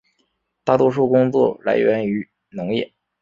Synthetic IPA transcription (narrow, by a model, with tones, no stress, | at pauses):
t̪a˥˩t̪wɔ˥˧ʂ̬u˥˩kʊ˥ŋt͡swɔ̰˥˩la̰˧˥ɪɥɛ˧˥ny˧˥ | nɤ˧˥ŋjɛ˥˩